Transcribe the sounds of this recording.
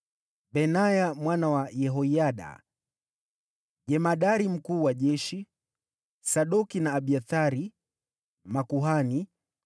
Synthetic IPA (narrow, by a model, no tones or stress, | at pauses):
ɓɛnajamwanawajɛɦɔiaɗa̰ | ʄɛmaɗaɾim̩kuːwaʄɛʃi | saɗɔkinaːɓiaθaɾi | makuɦani